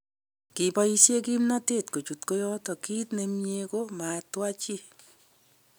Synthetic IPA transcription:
ki˨pɔ˦jisje˦ki˦mna˦tetko˨t͡ʃu˨tko˦jɔtɔ˨ki˦tne˧mɲeko˦ma˨twa˦t͡ʃi˦

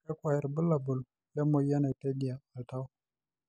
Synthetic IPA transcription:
ka˦kwa˨ji˨ɾbu˦lːa˨bu˨l | ja˦mo˨˦ja˦na˨te˦ɡi˨a˨la˨ta˦w

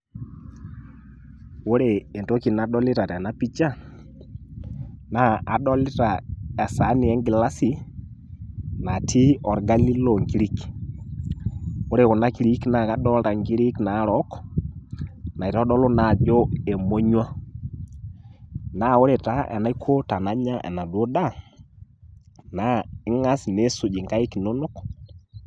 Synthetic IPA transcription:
wo˦ɾeː˨nto˦ki˨na˨ɗɔ˦lɪ˦ɾa˨tɛ˨na˦pi˦t͡ʃa˦˨ | na˦a˨ɗɔ˦lɪ˦ta˨a˨sa˨˦nɪ˨ɛ˦ŋɡɪ˨la˦si˨ | na˨tʰi˦ɔ˨ɾɡa˦li˦lɔ˨ŋɡi˦ɾi˦k | ʊ˦ɾe˨kʊ˨na˦ki˨˦ɾi˦kna˨ka˦ɗɔ˦lɾa˨ŋɡi˦ɾi˦kna˨˦ɾɔ˦k | na˨i˨ɾɔ˦ɗɔ˦lo˦na˨d͡ʒo˦e˨mo˦ɲwa˦ | na˦˨ʊ˦ɾe˨ta˦ʔɛ̰˨na˦i˦kʰo˦ta˨na˦ɲa˦ʔɛ̰˨na˨dwo˦da˦ | na˨˦ɪ˦ŋa˦sne˨˦sʊ˨d͡ʒi˨ŋɡa˦i˦kno˦no˦k

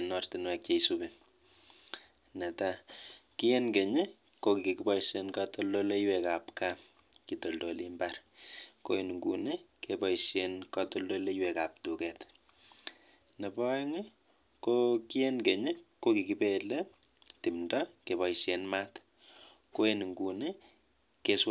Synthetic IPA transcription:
nɔrtinwɛ˨k̚t͡ʃeisube | nɛ˨taki˦je˦nke˨ɲe | ko˧ki˨ki˨ki˦pɔ˦isenkato˦lo˦le˦iweka˨pka | kito˨ldolimbarko̰˦enŋɡṵ˨ne˦kepɔ˦isjenkɔ˦to˦ldo˦le˦iwe˨ka˨p̚tu˨kɛ˨t | ne˨pɔ˦ŋe˦ | koki˦e˦nke˨ɲe˦ko˦ki˨ki˦pele˦ | ti˨mndɔ˦ke˨bɔ˨ise˦nma˦t | ko˦e˦n˨ŋɡu˨ne | ke˦s

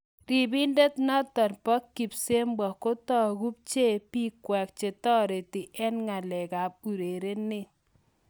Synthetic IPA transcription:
ri˨bi˦nde˦tnɔ˦tɔ˨npɔ˦kːi˨pse˦mbɔ˨ko˦tɔ˦˨ɡu˦p̚t͡ʃe˦pi˦kwɛ˨k̚t͡ʃe˨tɔ˦ɾe˨ti˨ʔɛ˦nŋa˨lɛ˨ka˨p̚u˨ɾe˨ɾe˦ne˦˨

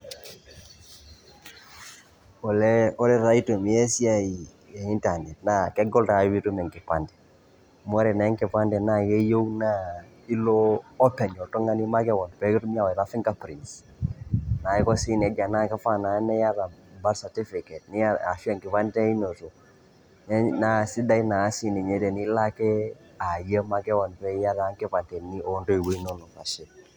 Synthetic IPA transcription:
o˨lɛ˦o˦lɛ˦ɾa˦i˦to˨m˨je˦si˦a˦i˨ | je˨i˦nta˨nɛ˨tnakɛ˦ɡɔ˦lta˨˦wi˦tu˦mɛ˨ŋki˨pa˨ndɛ̥˨ | m˦ɔ˦ɾɛ˨na˨ɛ˦ŋkɛ˨pa˦ndɛ˨na˦je˦jo˦wna˦ | i˦loː˦pɛ˨ɲɔ˨to˦ŋa˦ni˦ma˦kɛ˦wɔ˨npɛ˨ktu˦m˦a˦wɾa˦fi˦ŋka˦pɾi˨ns | na˨i˦kɔ˦si˦n˨ɛ˨˦ɡa˨na˦˨ka˦fa˦˨na˨˦nɛ˦ja˦ɾa˨ba˦ɾsa˨ti˦fi˨kɛ˨t̚ni˦ja˦a˨fi˦a˦˨ŋkɪ˨pa˦n˦tɛ˦i˦no˨to˨ | ɛ˦na˦˨si˦da˦i˦naː˨˦si˦ni˨ɲɛ˦tɛ˨ni˦la˦kɛ˦ | a˨jə˦ma˦kɛ˦wɔ˨npɛ˦ja˦ða˨˦ŋkɛ˦pa˨ntɛ˨ni˦o˨˦ndo˦i˨we˦i˦nɔ˦nɔ˨ka̰˨ʃe˦

